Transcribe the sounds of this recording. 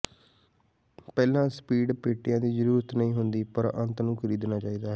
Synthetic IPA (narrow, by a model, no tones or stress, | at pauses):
pɛːlãːspiːɖpeːʈːɪjãːd̪iːzəɾuːɾət̪nəĩːɦʊnd̪iːpəɾə̃nt̪nũːkʰəɾiːd̪naːt͡ʃaːiːd̪aːɦɛː